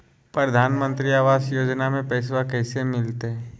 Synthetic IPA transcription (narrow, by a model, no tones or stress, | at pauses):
pɾəd̪ʱaːnmə̃nt̪ɾiaːʋaːsjoːd͡ʒnamẽpɛːs̬wakɛːsemɪlt̪eɦɛ